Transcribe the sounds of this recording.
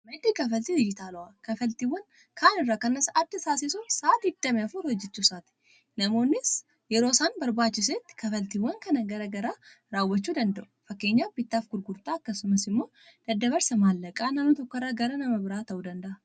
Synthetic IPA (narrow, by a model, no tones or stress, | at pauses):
mɐd̪iːkɐfɐlt̪ihɔjːɪt̪aːlɔʔakɐfɐlt̪iwːɐŋ | kʰaːnɪrːaːkɐnːɐsɐʔat̪ːɪsaːsɪsʊnsaːt̪id̪ːɐmɛɐfʊlhɔd͡ʒːɛt͡ʃːuːsaːt̪ɪ̥ | nɐmo̞ːnːɪs | jɛɾo̞ːsaːnbɐɾbaːt͡ʃːɪs̬eːt̪ːɪ̥kɐfɐlt̪iwːɐŋkɐnɐɡɐɾɐɡɐɾaː | ɾaːwːɐt͡ʃːuːd̪ɐnd̪ɐʔʊfɐkːe̞ːɲːaːbɪt̪ːaːfɡʊɾɡʊɾt̪aːɐkːɐsʊmɐsɪmːo̞ː | d̪̥ɐd̪ːɐβɐɾsɐmaːlːɐkʼaːnɐnʊt̪ɔkːɪrːaːɡɐɾɐnɐmɐbɪɾaːt̪ɐʔuːd̪ɐnd̪ɐʔɐ